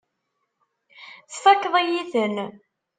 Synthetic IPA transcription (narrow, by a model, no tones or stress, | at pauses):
θfækːðˤijiθən